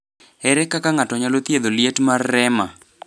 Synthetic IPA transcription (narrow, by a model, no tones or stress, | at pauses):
ɛɾɛkakaŋatɔɲalot̪jed̪oljetmarːɛma